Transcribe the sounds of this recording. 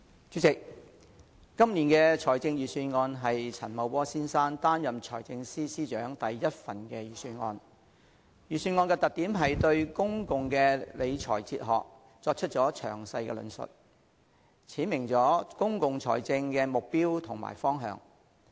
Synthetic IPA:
t͡ʃy˨˥t͡sɪ˨k̚ | ɐ˥mniː˨˩nkɛː˧t͡ʃʰɔː˨˩jt͡sɪ˧ŋjyː˨syː˧nŋɔː˧nɦɐ˨jt͡sʰɐ̰˨˩nmɐ˨˧wpɔː˥siː˥nsaː˥nt̪aː˥njɐ˨mt͡ʃʰɔ̰ː˨˩jt͡sɪ˧ŋsiː˥siː˥t͡ʃœː˨˥ŋt̪ɐ˨jːɐ˥t̚fɐ˨nkɛː˧jyː˨˩syː˧nŋɔː˧n | jyː˨˩syː˧nŋɔː˧nkɛː˧t̪ɐ˨k̚t̪iː˨˥mɦɐ˨jt̪ɵ˧ɥkʊ˥ŋkʊ˨ŋkɛː˧le˨˧jt͡ʃʰɔ̰ː˨˩jt͡sḭː˧t̚ɦɔ̰ː˨k̚ | t͡sɔː˧k̚t͡ʃʰɵ˥t̚t͡ʃt͡sɔː˨˥t͡ʃʰœ̰ː˨˩ŋsɐ˧jkɛ̰˧lɵ̰˨˧˥nsɵ̰˨t̚ | t͡sʰiː˨˥nmɪ˨˩ŋt͡sɔː˨˥kʊ˥ŋkʊ˨ŋt͡sʰɔ̰ː˨˩jt͡sɪ˧ŋkɛː˧mʊ˨k̚piː˥wt̪ʰʊ˨˩ŋma̰ː˨˩jfɔː˥ŋɦœ̰ː˧ŋ

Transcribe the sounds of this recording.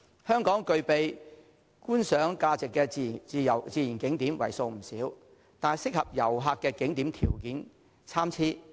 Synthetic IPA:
hœː˥ŋkɔː˨˥ŋkɵ˧ɥpe˨j | kuː˥nsœː˨˥ŋkaː˧t͡sɪ˨kːɛ˧t͡siː˨˧jɐ̰˨˩wt͡siː˨˧ji˨˩nkɪ˨˥ŋt̪iː˨˥mwɐ̰˨˩jso˧wm̩˨˩siː˨˥w | t̪aː˨sɪ˥k̚hɐ˨p̚jɐ˨˩wɦaː˧kːɛː˧kɪ˨˥ŋt̪iː˨˥mt̪ʰiː˨˩wkiː˨˥n | t͡sʰaː˥mt͡sʰiː˥

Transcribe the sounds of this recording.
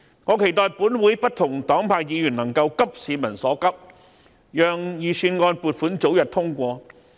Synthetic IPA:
ŋɔː˨˧˥kʰe˨˩jt̪ɔː˨˧jpuː˨˥nwuː˨˥jpɐ˥t̚t̪ʰʊ˨˩ŋt̪ɔː˨˥ŋpʰaː˧kjiː˨˧jyː˨˩nɐ˨˩ŋkɐ˧wkɐ˥p̚siː˨˧mɐ˨˩nsɔː˨˥kɐ˥p̚ | jœː˨ŋjiː˨˧syː˧nŋɔː˧npuː˨t̚fuː˨˥nt͡so˨˥wjɐ˨t̚t̪ʰʊ˥ŋkʷɔː˧

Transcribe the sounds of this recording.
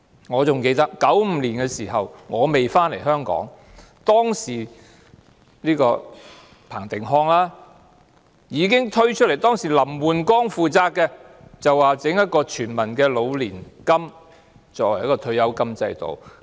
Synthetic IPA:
ŋɔː˨˧t͡sʊ˨ŋke˧jt̪ɐ˥k̚kɐ˨˥wm̩ː˨˧liː˨˩nkɛː˧siː˨˩ɦɐ˨wŋɔː˨˧me˨jfaː˥nle˨˩jɦœː˥ŋkɔ̰ː˨˥ŋ | t̪ɔː˥ŋsiː˨˩ | liː˥kɔː˧ | pʰaː˨˩ŋt̪ɪ˨˩ŋɦɔː˧˥ŋlaː˥ | jiː˨˧kɪ˥ŋt̪ʰɵ˥ɥt͡ʃʰɵ˥t̚le˨˩jt̪ɔː˥ŋsiː˨˩lɐ˨˩mwuː˨nkɔː˥ŋfuː˨˧t͡saː˧k̚kːɛ˧ | t͡sɐ˨wwaː˨t͡sɪ˨˥ŋjɐ˥t̚kɔː˧t͡ʃʰyː˨˩nmɐ˨˩nkɛː˧lo˨˧wliː˨˩nkɐ˥m | t͡sɔː˧k̚wɐ˨˩jɐ˥kɔː˧t̪ʰɵ˧˥ɥjɐ˨˥wkɐ˥mt͡sɐ˧jt̪o̰˨w

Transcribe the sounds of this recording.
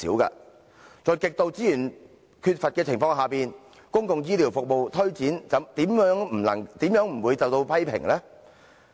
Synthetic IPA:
iː˨˥wkɐ̰ː˧ | t͡ʃɔː˨˧jkɪ˨k̚t̪o˧wt͡siː˥jyː˨˩n | kʰyː˧t̚fɐ˨t̚kɛː˧t͡sʰɪ˨˩ŋfɔː˧ŋɦaː˨˩piː˨n | kʊ˥ŋkʊ˨ŋjiː˧˥liː˨˩wfʊ˨k̚mo˨wt̪ʰɵ˥ɥt͡siː˨˥nt͡sɐ˨˧˥mt̪iː˨˥mjœː˨˥ŋm̩˨˩lɐ˨˩ŋt̪iː˨˥mjœː˨˥ŋm̩˨˩wu˨˧jt͡sɐ˨wt̪o˧wpʰɐ˥jpʰɪ̰˨˩ŋlɛː˥

